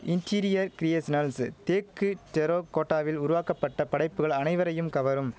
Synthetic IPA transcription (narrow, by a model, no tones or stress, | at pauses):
ɪnʈʰiːɾɪjɐɾkɪɾijeːsɪnɐlst̪eːkːɯʈɛɾoːkoːʈːaːʋɪlʊɾʊʋaːkɐpːɐʈːɐpɐɽɐɪpːɯɣɐɭɐnɐɪʋɐɾɐjɯmkɐʋɐɾɯm